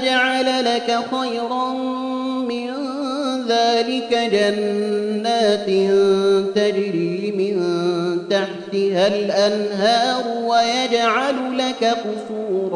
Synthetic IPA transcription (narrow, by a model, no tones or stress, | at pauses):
d͡ʒaʕalalakaxajɾˤɑn | mɪn | ðaːlɪkad͡ʒanːaːt̪nt̪ad͡ʒɾiːmɪnt̪aħt̪ɪhalʔanɦɑːɾwajad͡ʒʕalʊlakaqʊsuːɾ